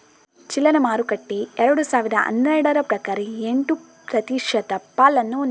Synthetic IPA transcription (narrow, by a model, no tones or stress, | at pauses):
t͡ʃilːɐnɐmaːɾukɐʈːiɛɾɐɽusaːʋid̪ɐʔɐ̰nːɐjɽɐɾɐpɾɐkaːɾɐeɳʈu | pɾɐt̪iːʂɐt̪ɐpːaːlɐnːun